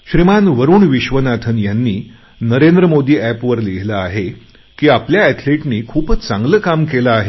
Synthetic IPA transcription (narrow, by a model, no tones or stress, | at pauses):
ɕɾimanʋəɾuːɳʋiɕʋənat̪ʰənjanːiː | nəɾend̪ɾəmod̪iːæpʋəɾliɦlaːɦe | kiːapljaɛt̪ʰleʈniːkʰuːpət͡sãŋɡləkamkelaːɦe